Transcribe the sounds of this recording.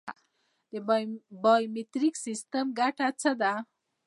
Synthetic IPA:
t̪ebʌjmet̪ɾiksist̪ʌmɡaʈʰat͡sʰʌd̪a

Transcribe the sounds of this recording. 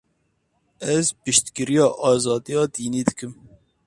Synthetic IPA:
ɛzpɨʃt̪kɨɾijɑːʔɑːzɑːd̪ijɑːd̪iːniːd̪ɨkʰɨm

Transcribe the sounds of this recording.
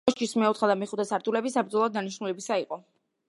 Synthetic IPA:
ʃt̪ʰismɛut̪χad̪amiχud̪ɛsaɾt̪ʰʼulɛbisapɾd̪zɔlˠɔːd̪ːaniʃnulɛbisaiqʼɔ

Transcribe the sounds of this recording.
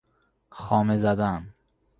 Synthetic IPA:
xɒːmezæd̪æm

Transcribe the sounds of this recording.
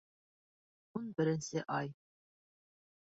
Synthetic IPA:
unbɘ̆ɾɘ̆nsɘʔɑj

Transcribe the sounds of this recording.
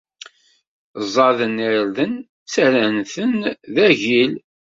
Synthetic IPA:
zˤːɑðəniɾðən | t͡sæɾænθənðæʝil

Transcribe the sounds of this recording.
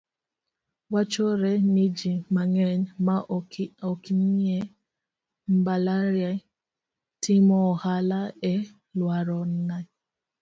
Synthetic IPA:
wat͡ʃoɾɛnid͡ʒimaŋɛɲmaɔkiniɛ | m̩balaɾja | tʰimɔhalaɛ | lwaɾɔn̩na

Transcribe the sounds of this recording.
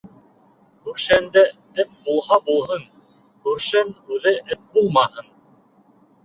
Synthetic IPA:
kʉɾʃænd̪æ | ɘθbulˠhɑbulˠɦɤn | kʉɾʃænʉðɘʔɘt̪̚bulˠmɑhɤn

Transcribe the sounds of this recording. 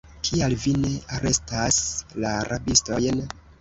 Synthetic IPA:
kʰialvine̞aɾe̞staslaːɾʔabisto̞jn

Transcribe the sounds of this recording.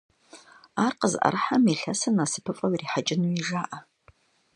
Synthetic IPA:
aːrqəzʔɐ̰ɾɨħamiɬɐsɐnasɨpʰɨfʼɐwiriːħat͡ʃʼɪnuiʐaːʔɐ

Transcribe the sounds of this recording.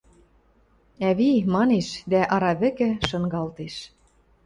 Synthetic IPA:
æβimɑneʃd̪æʔɑɾɑβɘ̆kɘ̆ʃɤ̆ŋɡɑlt̪eʃ

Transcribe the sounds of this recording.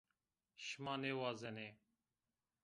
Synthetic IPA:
ʃmaːneːwaːzeneː

